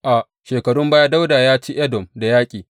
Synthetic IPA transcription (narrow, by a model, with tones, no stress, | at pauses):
ʔa˨ʔ | ʃeː˨kɐ˨ɽʊ˦mbaː˦ja˦da˦wdaː˨jaː˦t͡ʃiː˦ʔɛ˦dɔ˨mda˨jaː˦kʲʼiː˨